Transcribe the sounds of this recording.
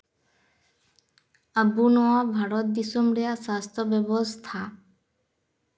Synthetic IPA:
əbːunoabʱaɾot̪̚d̪isomɾeaʃast̪ʰobɛbost̪ʰa

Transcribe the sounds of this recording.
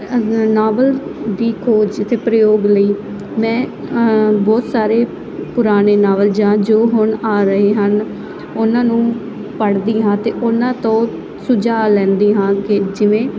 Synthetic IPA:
naːʋəld̪iːkʰoːd͡ʒɪt̪ʰeːpɾəjoːɡləiː | mɛ̃ː | bɔːt̪saːɾeː | pʊɾaːneːnaːʋəld͡ʒãːd͡ʒoːɦʊɳaːɾəɦeːɦən | ʊnãːnũː | pəɽd̪iːɦãːt̪eːʔʊnãːt̪õː | sʊd͡ʒaːlɛ̃ːnd̪iːɦãːkɪd͡ʒɪʋẽː

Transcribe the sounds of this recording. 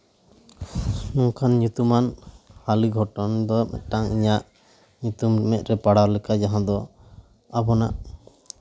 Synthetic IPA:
nuŋkʰanɲut̪umanhaliɡʱɔʈɔnd̪ɔmɛ̰ʈaŋḭɲaʔ | ɲut̪ummɛʔ̪̚ˀɾɛpaɽawɾlɛkad͡ʒaɦãd̪ɔ | abɔna̰ʔ

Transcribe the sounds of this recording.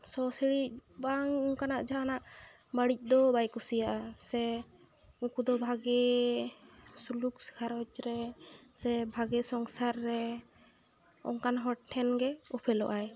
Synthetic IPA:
sɔsiɽicbaŋɔŋkanaʔd͡ʒaanaʔ | baɽic̚ˀd̪ɔbajkusijaʔasɛ | ukud̪ɔbʱaɡɛ | sulukskʰaɾɔt͡ʃɾɛsɛbʱaɡɛsɔŋsaɾːɛ | ɔ̰ŋkanɦɔʈ̚ʈʰːɛnɡɛɔpʰɛlɔ̰ʔaj

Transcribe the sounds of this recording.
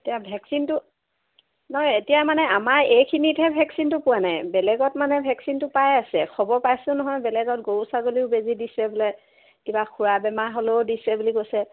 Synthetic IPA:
etijabʱɛksintʊ | nɔɔjetijamanɛamaɹejkʰinitɦɛbʱɛksintʊpʊwanajbɛlɛɡɔt̚manɛbʱɛksintʊpajasɛxʰɔbɔɹpajsʊ̃nɔɦɔjbɛlɛɡɔt̚ɡosaɡoliʊbezidisɛbulɛ | kibaxʰuɹabɛmaɦoloʊdisɛbuliɡosɛ

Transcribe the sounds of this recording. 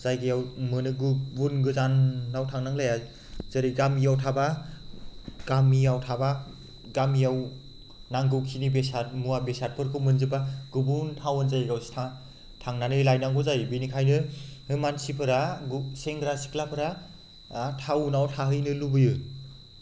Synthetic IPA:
z̥ajɡɯjawmɯnɯɡubunɡɯzanːawtʰaŋnaŋlaja | zɯɾiɡamijawtʰaba | ɡ̥amijawtʰaba | ɡamijaw | naŋɡɯwkʰinibesat̚muwabesat̚pʰɯɾkʰɯmɯnzɯbaɡ̥ɯbuntʰawɯnzajɡawstʰa | tʰaŋnanɯjlajnaŋɡɔzajbinikʰajnɯhɯmansipʰɯɾaɡseŋɡɾasi̥kʰlapʰɯɾa | tʰawnawtʰaɦɯjnɯlubɯjɯ

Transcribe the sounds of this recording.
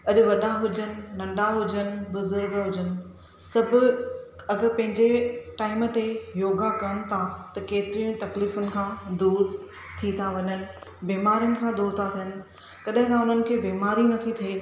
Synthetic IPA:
ɐʄʊ̆ʋɐɗaɦʊd͡ʑənɪ̆nɐ̃ɳɖaɦʊd͡ʑənɪ̆bʊzʊɾɡɦʊd͡ʑənɪ̆ | sɐbʱʊ̆ɐɡəɾpɐ̃ɦɪ̃ɲd͡ʑeʈaːɪmt̪ejoːɡakɐnɪ̆t̪ʰat̪ɐkeːt̪ɪɾiʊ̃t̪ɐkliːfʊnɪ̆kʰãːd̪uːɾ | t̪ʰit̪ʰaʋɐɲənɪ̆beːmaːɾijʊnɪ̆kʰãːd̪uːɾt̪ʰat̪ʰijɦənɪ̆ | kɐɗɐɦɪ̃kãʊn̤ənɪ̆kʰeːbiːmaːɾinɐt̪ʰit̪ʰɐi

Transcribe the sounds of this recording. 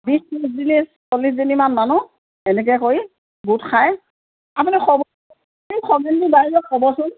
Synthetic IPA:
bisɔszinissolːiszinimanmanʊ | ɛnɛk̬ɛkoi | butkʰaj | apunixʰɔb | ixʰɔɡindibaɦiɹɔkxɔbɔsʊn

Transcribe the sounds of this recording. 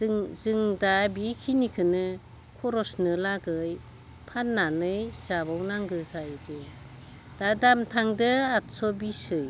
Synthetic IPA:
zɯŋdabikʰinikʰɯnɯ | kʰɔɾɔsnɯlaɡɯj | pʰanːanɯjsabawnaŋɡɯzajdɯ | d̥adamtʰaŋdɯatsɔbisɯj

